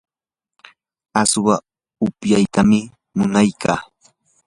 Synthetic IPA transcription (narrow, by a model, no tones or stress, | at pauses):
aswa | ʊpjajt̪amɪ | mʊnajkʰaː